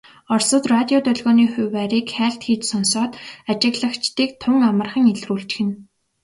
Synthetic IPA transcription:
ɔrsɞ̆t̪rat̪ʲiɔt̪œɮɣɔːniːxʊwːæɾiːkxæːɬt̪xiːt͡ɕsɔnsɔːt̪at͡ɕɪ̆ɣɮə̆kt͡ɕt̪iːk̚t̪ʰʊŋamə̆rχə̆ŋeɮruːɬt͡ɕxɘ̆n

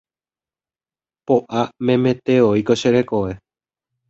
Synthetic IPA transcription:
poʔamẽ̞mẽ̞t̪e̞oikoʃeɾekoʋe̞

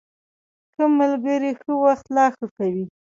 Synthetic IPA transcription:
kəmːalɡəɾixəwaxt̪lɑxəkawi

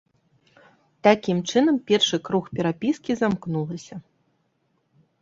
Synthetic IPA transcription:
t̪akʲimt͡ʂɨnɐmpʲɛrʂɨkɾuxpʲɛɾapʲiskʲizamknulˠɐsʲɐ

